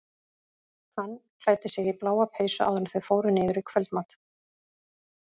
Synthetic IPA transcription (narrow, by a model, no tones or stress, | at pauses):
hanːkl̥aːjt̪ɪsɪɣiplaːwapheːjsʏʔa̰wðʏmθœɥfoːwɾʏnɪːðʏɾɪkʰvœlt̪maːt̪